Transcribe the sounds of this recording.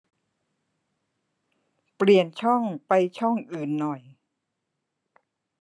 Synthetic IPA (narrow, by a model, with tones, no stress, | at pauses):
pli˨˩ənt͡ɕʰɔ˥˩ŋpa˧jt͡ɕʰɔ˥˩ŋʔɯː˨˩nːɔ˨˩j